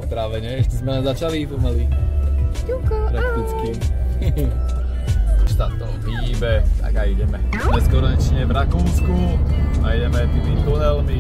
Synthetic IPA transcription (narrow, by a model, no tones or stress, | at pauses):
t̪ɾaʋɛɲɛɛʃcɛzmɛzat͡ʃalipɔmali | ikɔpɾakt̪it͡skim | ɔʃt̪at̪ɔʊxiːbɛt̪a̰ɡaiɟɛmɛ | ɲɛskɔɾɲɛt͡ʃɲɛvɾakuːskua̰iɟɛmɛt̪imit̪ɔnɛlmi